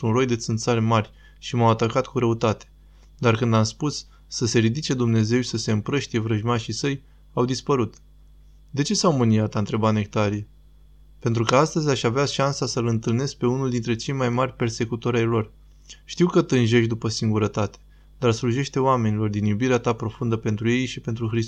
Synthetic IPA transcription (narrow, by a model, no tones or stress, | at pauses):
unro̞jd̪e̞t̪sɨnt̪salmarʲ | ʃimawat̪akat̪kuɾəut̪at̪e̥ | d̪arkɨnd̪amspusː | əse̞ɾid̪it͡ʃe̞d̪umne̞ze̞wʃisəse̞ɨmpɾəʃt̪ije̞vɾəʒmaʃisəj | awd̪ispəɾut̪ | d̪e̞t͡ʃe̞sawmɨniat̪aɨnt̪ɾe̞bane̞k̚t̪aɾie | pe̞nt̪ɾukəast̪əzʲaʃaveaʃansasəlɨnt̪ɨlne̞sk̚pe̞unuld̪int̪ɾet͡ʃe̞jmajmarʲpe̞rse̞kut̪o̞ɾʲajlo̞r | ʃt̪iwkət̪ɨnʒe̞ʃd̪upəsiŋɡuɾət̪at̪e̥ | d̪arsluʒe̞ʃt̪e̞oame̞nilo̞rd̪injubiɾeat̪apɾo̞fund̪əpe̞nt̪ɾuje̞jʃipe̞nt̪ɾuxɾis